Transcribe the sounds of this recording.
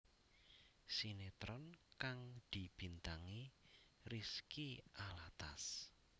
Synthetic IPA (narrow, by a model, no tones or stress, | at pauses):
sinet̪ɾɔnkaŋd̪̥ib̥int̪aŋiriskiʔalat̪as